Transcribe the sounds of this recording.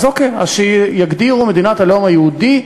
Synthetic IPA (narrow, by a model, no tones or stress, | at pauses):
zokea̰ʃejaɡd̪iʁumed̪inat̪halomajeud̪i